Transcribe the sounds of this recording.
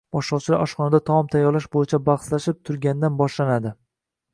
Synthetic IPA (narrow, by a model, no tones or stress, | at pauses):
bɒʃlɒwt͡ʃʰɪla̰ɒʃqɒnad̪at̪ʰɒmɒmt̪ʰajːɒɾlaʃbojɪt͡ʃʰabɑχslaʃɪp̚t̪ʰʊɾɡʲand̪anbɒʃlanad̪ɪ